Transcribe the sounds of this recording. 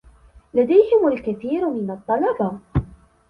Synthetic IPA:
lad̪ajhɪmalkaθiːɾmɪnɑt̪ˤːɑlɑbɑ

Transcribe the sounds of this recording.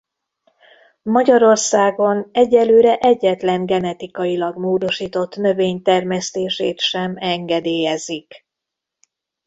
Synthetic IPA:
mɒɟɒɾo̞rsaːɡo̞nɛɟːɛlːøːɾɛʔɛɟːɛt̪lɛŋɡɛnɛt̪ikɒjilɒɡmoːd̪o̞ʃiːt̪o̞t̪nø̞veːɲt̪ɛrmɛst̪eːʃeːt̪ʃɛmɛŋɡɛd̪eːjɛzik

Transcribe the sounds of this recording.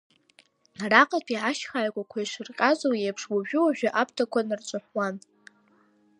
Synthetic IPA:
raqʼatʰʼiʕaʃχaʕkʷʼakʷʰaiʂɨrqʲʼazʼowjepʰʂwaʒᶣʊwaʒᶣaʔap̚ʰtʰakʷʰanɨrt͡ʃʷʼʊħwan

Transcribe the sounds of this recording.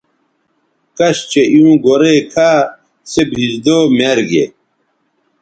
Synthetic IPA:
kɐɕt͡ɕejũːɡoɾekʰaː | sebʱid͡ʑd̪oːmeɾɡḛ

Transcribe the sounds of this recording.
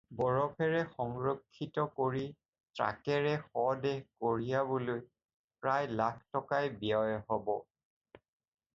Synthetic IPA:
bɔɹɔpʰɛɹɛxɔŋɹɔkʰːitɔkoɹi | tɹa̰kɛɹɛxɔdɛkoɹijabuloj | pɹajlakʰtɔkajbijɔjhɔbɔ

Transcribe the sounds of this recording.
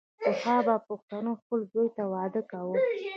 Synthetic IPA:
ʊhɑbapʊxt̪anoxpəlzojt̪awɑd̪əkawu

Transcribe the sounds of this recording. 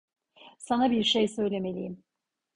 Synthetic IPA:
sanabiɾʃejsø̞jlʲe̞me̞lʲḭjim

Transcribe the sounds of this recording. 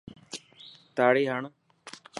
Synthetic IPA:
t̪aːɽiːɦaɳo

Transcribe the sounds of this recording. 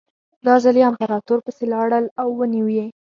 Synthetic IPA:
d̪ɑzaliampaɾɑt̪oɾpəselɑɽəlawːəniwe

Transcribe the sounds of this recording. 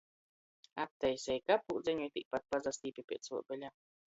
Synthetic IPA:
ap̚t̪ːɛjsʲɛjkapuːd̪zeɲuit̪ʲik̚pat̪̚pazast̪iːpipʲiɛt̪sṵɔbɛlʲaː

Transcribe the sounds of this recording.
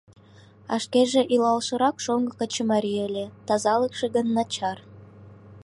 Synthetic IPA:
ɑ̰ʃkeʒeʔilɑlʃə̆ɾɑkʃoŋɡəkət͡ɕmɑɾʲijəlʲet̪ɑzɑləkʃeɡənːɑt͡ɕɑr

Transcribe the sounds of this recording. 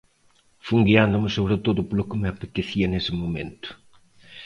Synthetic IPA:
fuŋɡiand̪ʊmɪsoβɾət̪oðʊpolʊkɪmapet̪eθiɐnesɪmomẽnt̪ʊ̥

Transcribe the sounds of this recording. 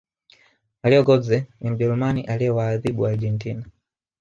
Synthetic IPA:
aliɔɡɔzɛnimud͡ʒɛlumaniʔaliɛwaːðiɓuaɾd͡ʒɛntina

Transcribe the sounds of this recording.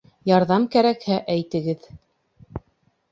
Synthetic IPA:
jɑɾðɑmkæɾækhæʔæjt̪ɘ̆ɡɘð

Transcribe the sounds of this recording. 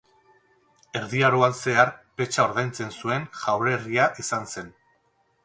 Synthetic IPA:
e̞ɾðiaɾoanse̞aɾpe̞t͡ʃao̞ɾðajnt͡se̞nsue̞ŋʝawɾe̞riaʔisanse̞n

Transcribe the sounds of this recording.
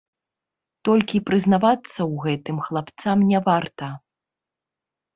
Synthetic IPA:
t̪ɔlʲkʲipɾɨznavat̪sːɐwɣɛt̪ɨmxlˠapt̪samnʲɛvart̪ɐ

